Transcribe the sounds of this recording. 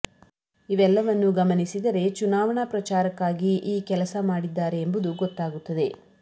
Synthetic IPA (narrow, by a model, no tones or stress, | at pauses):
iʋɛlːɐʋɐnːuɡɐmɐnisid̪ɐɾe̞t͡ʃunaːʋɐɳɐpɾɐt͡ʃaːɾɐkːaːɡiʔiːkɛlɐsɐmaːɽid̪ːaːɾe̞ːmbud̪uɡɔt̪ːaːɡut̪ːɐd̪e̞